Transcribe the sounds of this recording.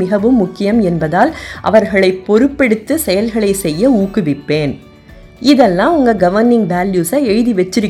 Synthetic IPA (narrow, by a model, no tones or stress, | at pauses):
ɪɣɐʋɯmːʊkːɪjɐmɛnbɐðaːlʔɐ̰ʋɐɾɣɐɭɐɪpːɔɾɯpːɛɽɯt̪ːɯsɛjɐlɣɐɭɐɪsɛjːɐuːkːɯʋɪpːeːn | ɪðɛlːãːʊŋɡɐɡɐʋɐɾnɪŋɡbaːljuːsɐɛɻðiʋɛt͡ʃːɪɾɯ